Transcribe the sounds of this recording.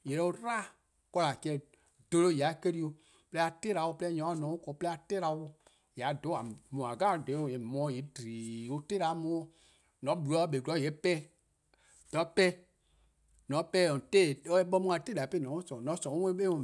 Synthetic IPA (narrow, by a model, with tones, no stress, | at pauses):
jɛ˨ɾɛ˧o˧ɾa˦ | kɔ˧la˨kɛ˧˨ | d̥o˧lo˦˨ja˨˦ke˦ɾi˦o˧ | plɛ˦a˧te˦ɾa˨˦wo˦pɛ˦ɲɔ̃˨˦nɔ̃˨˦u˦kɔ˨˦plɛ˦a˧te˦ɾa˧wo˧ | ja˨˦do˨˦a˨mũ˨a˨ɡa˦˨dẽ˨˦˨e˨mɔ̃˨˦je˨˦diː˨o˧te˦ɾa˨˦mũ˧˦o˦ | nɔ̃˨˦ɓu˨ɾɔ˨˦ɓe˨ɔ˦jɛ˨˦pɛ˦ | d̥ɔ˨˦pɛ˦ | nɔ̃˨˦pɛ˦˨ɔ̃˨te˦˨o˦ɛ˦ɓɔ˧˦mũ˦a˨˦te˦da˨pe˦nɔ̃˨˦sɔ̃˨nɔ̃˨˦sɔ̃˨o˦wẽ˦ɓe˦ɔ̃˧˨